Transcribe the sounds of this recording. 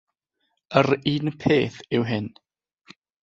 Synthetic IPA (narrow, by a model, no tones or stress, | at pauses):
əɾiːnpʰeːθɪwɦɪn